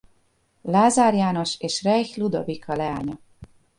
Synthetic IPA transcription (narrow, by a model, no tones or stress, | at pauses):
laːzaːɾjaːno̞ʃeːʃrɛjçlud̪o̞̰vikʰɒlɛa̰ːɲɒ